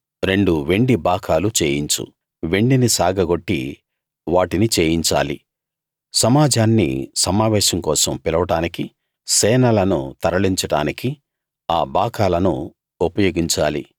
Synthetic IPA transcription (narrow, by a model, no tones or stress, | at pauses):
ɾe̞ɳɖuʋe̞ɳɖibaːkʰaːlut͡ʃeːjiɲt͡ʃṵ | ʋe̞ɳɖinisaːɡʱɐɡo̞ʈːḭ | ʋaːʈinit͡ʃeːjiɲt͡ʃa̰ːlḭ | sɐmaːd͡ʒaːnːḭsɐmaːʋɛːʃɐŋkɔːsɐmpilɐʋɐʈaːniki | sɛːnɐlɐnṵt̪ɐɾɐɭiɲt͡ʃɐɽa̰ːniki | aːbaːkʰaːlɐnṵ | opɐjoːɡiɲt͡ʃa̰ːlḭ